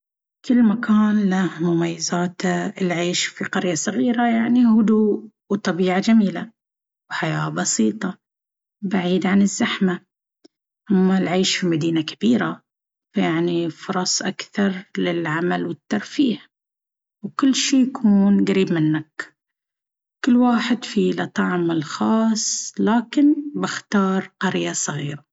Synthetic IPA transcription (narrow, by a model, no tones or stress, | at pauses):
kɪlːmakʰaːnlahmʊmajːazaːt̪aɪlʕeːʃfiqɑɾjasˤɨɣiːɾajaʕnihʊd̪uːʔ | wt̪ˤɑbiːʕad͡ʒamiːla | wħajaːbɑsiːt̪ˤɑ | baʕiːd̪ʕanɪzːaħma | hʊmːalʕeːʃfimad̪iːnakḁb̥iːɾa | fajaʕnifʊɾˤɑsˤʔakθɑɾˤlɪlʕamalwɪt̪ːɑɾˤfiːħ | wkɪlːʃiːjakʰuːnɡaɾiːbmɪnːak | kɪlːwaːħɪd̪filɑt̪ˤɑʕmɪlxɑːsˤlaːkɪnbɪxt̪ɑːɾˤqɑɾjasˤɨɣiːɾa